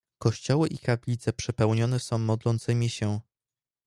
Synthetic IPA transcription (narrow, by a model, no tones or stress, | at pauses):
kɔɕt͡ɕɔwɘʔikaplʲit̪sɛpʂɛpɛwɲɔnɛsɔ̃w̃mɔd̪lɔnt̪sɘmʲiɕɛ